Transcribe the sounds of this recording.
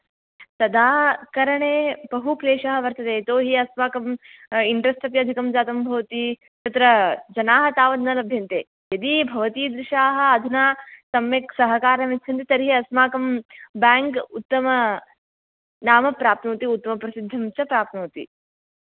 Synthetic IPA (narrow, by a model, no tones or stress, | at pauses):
t̪ɐd̪aːkɐɾɐɳeːbɐɦukleːʂɐɦɐ̆ʋɐɾt̪ɐt̪eːt̪oːɦiɐsmaːkɐmiɳɖɾɐsʈ̪ɐpjɐd̪ʱikɐmd͡ʒaːt̪ɐmbʱɐʋɐt̪i | t̪ɐt̪ɾɐd͡ʒɐnaːɦɐt̪aːʋɐd̪nɐlɐbʱjɐnt̪ḛː | jɐd̪ibʱɐʋɐt̪iːd̪ɾɪʃaːɦɐ̆ːd̪ʱinaːsɐmjɐksɐɦɐkaːɾɐmet̪t͡ʃʰɐnt̪it̪ɐɾɦiɐsmaːkɐmbaːŋkut̪ːɐmɐ | naːmɐpɾaːpt̪nuːt̪iut̪ːɐmɐpɾɐsid̪ʱːɐmt͡ʃɐpɾaːp̚t̪nuːt̪ḭ